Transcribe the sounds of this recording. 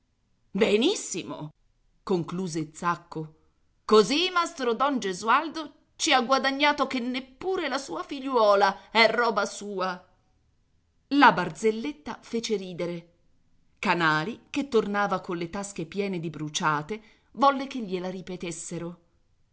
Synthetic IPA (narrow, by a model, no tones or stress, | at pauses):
benisːimo̰ | koŋkluːzet̪sakːo | kozimast̪ɾod̪ɔnd͡ʒezuald̪o | t͡ʃiaɡwad̪aɲːaːt̪okenːepːuːɾelasuːafiʎːwɔːlaɛrːɔːbasuːa | labard̪zelːet̪ːafeːt͡ʃeɾiːd̪eɾe | kanaːliket̪ːornaːvakonlet̪ask̟epjɛːned̪ibɾut͡ʃaːt̪e | vɔlːekeʎːelaɾipet̪esːeɾo